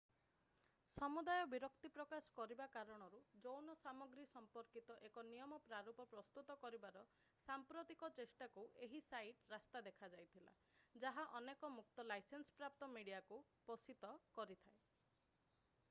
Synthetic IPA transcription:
sɔmud̪ajɔbiɾɔkt̪ipɾɔkasɔ̥kɔɾibakaɾɔɽ̃ɔɾud͡ʒownɔsamɔɡɾisɔmpɔɾkit̪ɔʔekɔnijɔmɔpɾaɾupɔpɾɔst̪ut̪ɔkɔɾibaɾɔ | sampɾot̪ikɔt͡ʃesʈakuʔeɦisajʈɾast̪ad̪ekʰad͡ʒajt̪ʰila̰ | d͡ʒaɦaʔɔnekɔmuk̚t̪ɔlajsensɔ̥pɾap̚t̪ɔmiɽijakupɔsit̪ɔkɔɾit̪ʰae

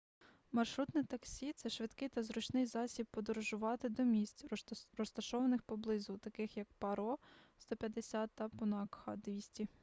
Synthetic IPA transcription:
mɐrʃɾut̪nit̪ɐksʲit̪sɛʃʋɪd̪kɪjt̪ɐzɾʊt͡ʃnɪjzɑsʲib̚pɔd̪ɔɾɔʒʊʋɑt̪ɪd̪ɔmʲisʲtʲrɔst̪ɐʃɔʋɐnɪxpɔblˠɪzʊt̪ɐkɪxjɐk̚pɐɾɔst̪ɔpʲjɐd̪esʲat̪ːɐpɔnɑkhɐd̪ʋʲisʲtʲi

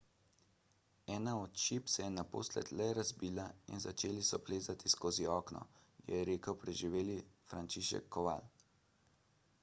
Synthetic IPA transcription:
ɛːnaɔt̪ʃipsɛjɛnapo̰ːslɛ̰t̪lɛɾazbiːlaḭnzat͡ʃeːlisɔpleːzat̪iskoːziɔːknɔ̰jɛ̰jɛɾeːkəwpɾɛʒiʋeːlifɾant͡ʃiʃɛ̰kʰːɔʋa̰l

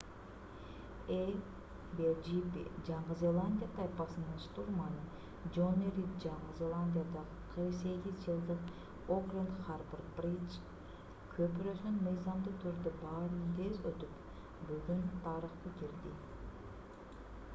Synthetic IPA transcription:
e | bed͡ʒipḭd͡ʒɑɴʁɯzʲelˠanʲdʲijat̪ʰɑjpɑsɯnɯnʃt̪uɾmɑnɯ | d͡ʒoneɾʲit̪d͡ʒɑɴəzʲelˠanʲd̪ʲijad̪ɑʁəqʰɯɾqse̞ɡʲizd͡ʒɯlˠd̪ɯq | okrent̪χarbərprit͡ʃ | kʰøpyɾøsynmɯjzɑmd̪ut̪ʰyɾd̪ybɑːɾɯnt̪ʰe̞zøt̪yp | byɡynt̪ʰɑɾɯχt̪ɯkiɾd̪ḭ

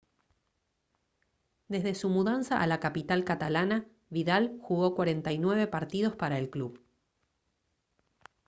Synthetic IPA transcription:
d̪e̞zðe̞sumuðansaʔalakapit̪alkat̪alana | βiðalxuɣo̞kwaɾe̞nt̪ajnwe̞βe̞paɾt̪ið̞o̞spaɾaelkluβ

